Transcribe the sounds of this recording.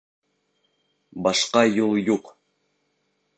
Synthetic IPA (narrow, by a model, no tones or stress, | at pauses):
bɑʃqɑjulˠjuq